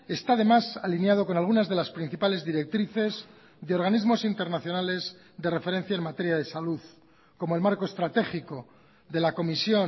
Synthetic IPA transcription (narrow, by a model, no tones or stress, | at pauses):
e̞st̪aðe̞masalinjað̞o̞ko̞nalɣ̞unazðe̞laspɾin̟θipale̞zðiɾe̞k̚t̪ɾiθe̞z | ðeo̞ɾɣanizmo̞sint̪e̞ɾnaθjo̞nale̞z | ðe̞re̞fe̞ɾe̞n̟θjaemat̪e̞ɾjaðe̞saluð | ko̞moe̞lmaɾkoest̪ɾat̪e̞xiko̞ | ðe̞lako̞misjo̞